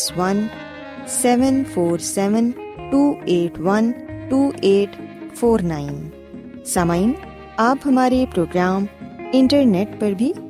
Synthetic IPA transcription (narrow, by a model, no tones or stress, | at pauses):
sʋɐn | sɛːʋənfʰoːɾsɛːʋənʈuːeːʈʰʋɐnʈuːʔeːʈfʰoːɾnaːɪn | sɐmain | aːpɦɐmaːɾepɾoːɡɾaːmɪ̃ɳʈəɾneːʈpɐɾbʱi